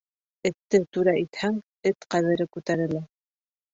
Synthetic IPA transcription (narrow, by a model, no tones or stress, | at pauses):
ɘ̆t̪ːɘt̪ʉɾɑʔit̪hæŋ | ɘt̪qæβɘ̆ɾɘkʉt̪æɾɘ̆læ